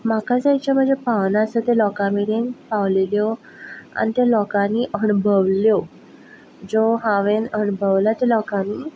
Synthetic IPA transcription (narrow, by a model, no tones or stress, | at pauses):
makad͡zajt͡ɕam̤əd͡zepanasət̪elɔkamiɽenpaʋleljo | a̰nit̪elɔkãniʔəɳbʱəʋljo | d͡zoɦãʋenəɳbʱəʋlat̪elɔkãniː